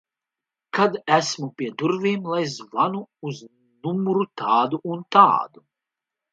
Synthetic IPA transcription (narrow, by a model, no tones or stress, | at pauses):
kʰad̪æsmupʲiɛd̪uɾvʲiːmlˠajzvanuuz | numuɾut̪aːd̪uːnt̪a̰ːd̪u